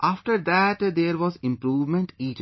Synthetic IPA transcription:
ʔaːfʈəɾd̪æʈd̪eːɾʋɔːzɪ̃mpɾuːʋmẽɳʈiːʈ

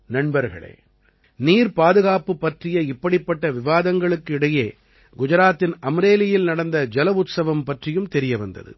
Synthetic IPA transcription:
nɐɳbɐɾɣɐ̰ɭḛː | niːɾpaːðɯɣaːpɯpːɐʈrɪjɐɪpːɐɽɪpːɐʈːɐʋɪʋaːðɐŋɡɐɭɯkːɪɽɐjeː | ɡʊd͡ʒɐɾaːt̪ːɪnɐmɾeːlɪjɪlnɐɽɐnd̪ɐd͡ʒɛlɐʊt̪sɐʋɐmpɐʈrɪjɯmt̪ɛɾɪjɐʋɐnd̪ɐ̰ðɯ̰

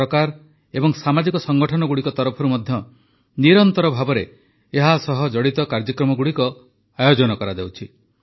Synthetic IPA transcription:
ɔkaɾ | ebɔŋsamad͡ʒikɔsɔŋɡɔʈʰɔnɔɡuɽikɔt̪ɔɾɔpʰɔɾumɔd̪ʱjɔ | niɾɔnt̪ɔɾɔbʱabɔɾe | eɦasɔɦɔd͡ʒɔɽit̪ɔkaɾd͡ʒɔkɾɔmɔɡuɽikɔ | ajod͡ʒɔnɔkɔɾad̪ewt͡ʃʰi

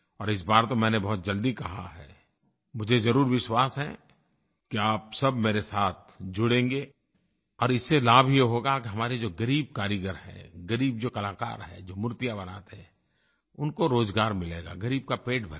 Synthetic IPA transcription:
ɔːɾɪs̬baːɾt̪omɛ̃ːnebɔɦʊt̪̚d͡ʒɐld̪ikɐɦa̰ɦɛ̰ː | mʊd͡ʒʱezɐɾuːɾʋɪʃwaːsɦɛ̰̃ | kiaːpsɐbmeːɾesaːt̪̚ʰd͡ʒʊɽẽːŋɡeː | ɔːɾɪsːelaːbʱijeɦoːɡakiɦɐmaːɾed͡ʒoːɡɐɾiːb̚kaːɾɪɡəɾɦɛ̰̃ɡɐɾiːb̚d͡ʒoːkɐlaːka̰ːɾɦɛ̰d͡ʒoːmʊɾt̪ijabɐna̰ːt̪ɛ̃ | ʊnkoɾoːzɡaːɾmɪleːɡa̰ɡɐɾiːb̚kapeːʈbʱɐ

